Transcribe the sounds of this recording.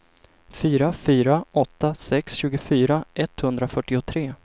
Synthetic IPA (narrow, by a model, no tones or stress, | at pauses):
fyːɾafyːɾaʔɔt̪ːasɛksɕʉ̟ːɡʊfyːɾaʔɛt̪hɵnd̪ɾafœʈːɪʊt̪ʰɾeː